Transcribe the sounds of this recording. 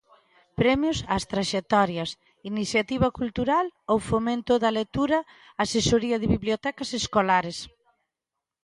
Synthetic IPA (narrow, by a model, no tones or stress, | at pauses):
pɾɛmjosast̪ɾaʃek̚t̪ɔɾjɐs | iniθjat̪iβɐkult̪uɾalowfomẽnt̪ʊðɐlet̪uɾɐ | asesoɾiɐðɪβiβljot̪ɛkaseskolaɾes